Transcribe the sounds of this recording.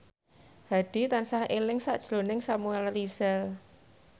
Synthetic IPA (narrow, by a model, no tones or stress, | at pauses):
haɖ̥i̤t̪ansahʔelɪŋsa̰ʔd̥ʒ̥lonɪŋsamuɛlrisal